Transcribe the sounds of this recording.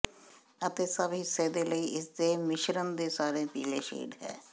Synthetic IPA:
ət̪eːsəbɦiːseːd̪eːləiːʔɪsd̪eːmɪʃɾənd̪eːsaːɾeːpiːleːʃḛːɖɦɛ̰̃ː

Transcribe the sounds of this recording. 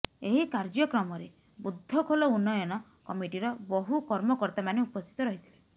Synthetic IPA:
eɦikaɾd͡ʒɔkɾɔmɔɾe | bud̪ʱːɔkʰolɔunːɔjɔnɔ | kɔmiʈiɾɔbɔɦukɔɾmɔkɔɾt̪amaneupɔst̪ʰi̥t̪ɔɾɔɦit̪ʰile

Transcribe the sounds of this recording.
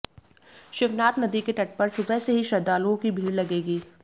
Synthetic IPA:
ʃɪʋnaːt̪nɐd̪ikeʈɐʈ̚pɐɾsʊbɛɦseɦiʃɐd̪aːluõkibʱiːɾlɐɡeːɡiː

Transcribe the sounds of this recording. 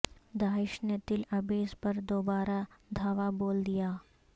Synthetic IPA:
d̪aːɪʃnet̪ɪlɐbeːspɐɾd̪oːbaːɾad̪ʱaːʋaboːld̪ijaː

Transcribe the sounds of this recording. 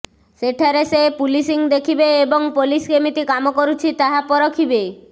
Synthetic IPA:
seʈʰaɾesepulisiŋd̪ekʰibeːbɔŋpoliskemit̪ikamɔkɔɾut͡ʃʰit̪aɦapɔɾɔkʰibe

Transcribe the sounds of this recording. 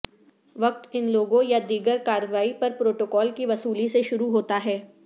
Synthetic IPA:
ʋɐk̚t̪ɪnloːɡõjad̪iːɡəɾkaːɾəʋaːipɐɾpɾoːʈoːkɔːlkiʋɐsuːliseʃʊɾuɦoːt̪aɦɛː

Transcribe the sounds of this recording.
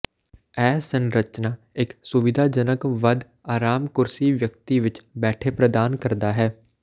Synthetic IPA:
ɛːsənɾət͡ʃnaː | ɪksʊʋɪd̪ʱaːd͡ʒənəkʋəd̪ | aːɾaːmkʊɾsiːʋjək̚t̪iːʋɪt͡ʃbɛːʈʰeːpɾəd̪aːnkəɾd̪aːɦɛː

